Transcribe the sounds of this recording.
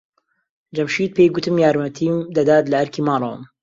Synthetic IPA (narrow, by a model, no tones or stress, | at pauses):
d͡ʒɐmʃiːt̪̚pʰejɡʊt̪ɨmjaːɾmɐt̪ʰiːmd̪ɐd̪aːt̪lɐɐɾkiːmɑːɾˤɑwə̰m